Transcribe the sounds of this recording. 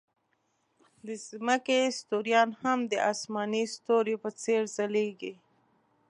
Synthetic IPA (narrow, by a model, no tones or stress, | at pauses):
d̪əzməkest̪oɾjɑnhamd̪əʔɑsmɑnist̪oɾepət͡seɾzaleɡi